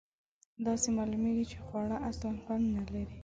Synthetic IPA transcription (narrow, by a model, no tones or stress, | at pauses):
d̪ɑsemɑlumeɡit͡ʃe̥xwɑɽaʔaslankand̪nalaɾi